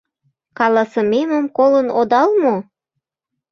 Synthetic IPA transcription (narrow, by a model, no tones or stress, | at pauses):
kɑlɑsəmeməmkolənod̪ɑlmo